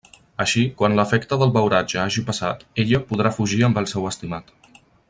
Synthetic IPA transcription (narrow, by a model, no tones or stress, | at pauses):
əʃikwanləfɛkt̪əðəlˠβəwɾad͡ʒəaʒipəsa̰t̪eʎəpuð̞ɾafuʒiəmbəlˠsɛwəst̪imat̪